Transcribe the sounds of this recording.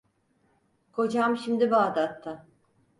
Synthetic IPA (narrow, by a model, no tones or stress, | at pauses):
kʰo̞d͡ʒamʃimd̪ibaːd̪at̪ʰːa